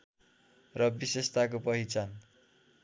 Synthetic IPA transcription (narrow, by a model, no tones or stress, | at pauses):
rʌbisest̪ʰakopʌɦit͡san